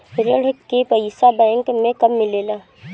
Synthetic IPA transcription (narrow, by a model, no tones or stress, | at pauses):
ɾəɽ̤kepəɪsabɛ̃ːŋkmẽkɐmːɪleːlaː